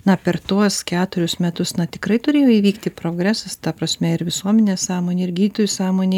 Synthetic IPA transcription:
nɐpʲɛrt̪uɔskʲæːt̪ʊɾʲʊsmʲɛt̪ʊsnɐt̪ʲɪ̥kɾɐɪt̪ʊɾʲeːjoːiːʋʲiːkt̪ʲɪpɾoːɡɾʲæːsɐst̪ɐpɾɐsʲmʲɛɪɾʋʲɪsuɔmʲɛnʲeːsɑːmoːnʲeːɪɾɡʲiːt̪ʊjʲʊsɑːmoːnʲe

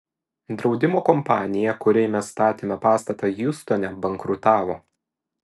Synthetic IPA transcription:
d̪ɾɒʊd̪ʲɪmoːkɔmpɑːnʲɪjɛkʊɾʲɛɪmʲɛssːt̪ɑːt̪ʲeːmʲɛpɑːst̪ɐt̪ɑjʊst̪oːnʲɛbɐŋkɾʊt̪ɑːʋoː

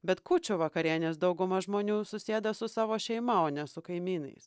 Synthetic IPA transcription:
bʲɛt̪kʊt͡ʃʲʊʋɐkɐɾʲiɛnʲeːsd̪ɐʊɡʊmɐʒmoːnʲuːsʊsʲeːd̪ɐsʊsɑːʋoːʃʲɛɪmɐoːnʲɛsʊkɐɪmʲiːnɐ̰ɪs

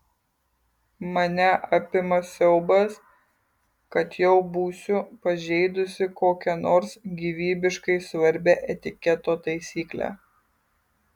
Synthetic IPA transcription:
mɐnʲɛʔɐpʲɪmɐsʲɛʊbɐs | kɐt̪jɛʊbuːsʲʊpɐʒʲɛɪd̪ʊsʲɪkoːkʲɛnoːɾsɡʲiʋʲiːbʲɪʃkɐɪsʋɐɾʲbʲɛʔɛt̪ʲɪkʲɛt̪oːt̪ɐɪsʲiːklʲæ̰ː

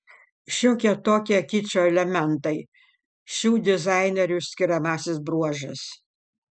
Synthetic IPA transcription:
ʃʲoːkʲiɛt̪oːkʲiɛkʲɪt͡ʃʲoːɛlʲɛmʲɛnt̪ɐɪ | ʃʲuːd̪ʲɪzɑˑɪnʲɛɾʲʊsʲkʲɪɾʲɛmɑːsʲɪsbɾuɔʒʲɪs

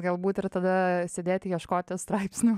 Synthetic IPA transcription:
ɡɐlˠbuːt̪ɪɾt̪ɐd̪ɐsʲeːd̪ʲeːt̪ʲjiɛʃkoːt̪ʲɪst̪ɾɐɪpʲsʲnʲu

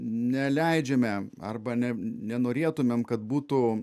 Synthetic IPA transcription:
nʲɛlʲɛɪd͡ʒʲɛmʲɛɐ̰rbɐnʲɛnʲɛnoːɾʲeːt̪ʊmʲɛmkɐt̪̚buːt̪ʊ

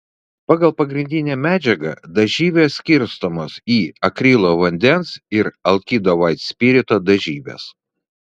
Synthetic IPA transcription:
pɑːɡɐlˠpɐɡɾʲɪnʲd̪ʲɪnʲæːmʲæːd͡ʒʲɛɡɐ̰d̪ɐʒʲiːʋʲeːsʲkʲɪɾʲst̪oːmoːsiːɐkɾʲɪlˠoːʋɐnʲd̪ʲɛnsɪɾɐlˠkʲid̪oʋɐɪt̪sʲpʲiːɾʲɪt̪oːd̪ɐʒʲiːʋʲḛːs

